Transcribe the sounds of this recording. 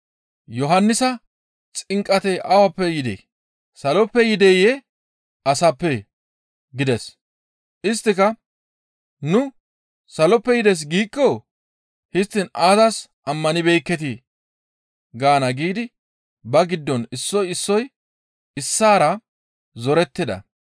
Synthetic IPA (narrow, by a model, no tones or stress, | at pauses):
jɔɦɐnːɪsɐ | t͡sʼɪŋkʼːɐt̪ɛʔɐwɐpːɛjɪd̪ɛ̰j | sɐlɔpːɛjɪd̪ɛjɛ | ɐsɐpːɛ | ɡɪd̪ɛs | ʔɪs̬t̪ːɪkɐ | nʊ | sɐlɔpːɛjɪd̪ɛs̬ɡiːkːɔ | hɪst̪ːɪnaːzɐsʔɐmːɐnɪbɛjkːɛt̪̬ɪ | ɡaːnɐɡiːd̪ɪ | bɐɡɪd̪ːɔnɪsːɔjɪsːɔj | ɪsːaːɾɐ | zɔɾɛt̪ːɪd̪ɐ̰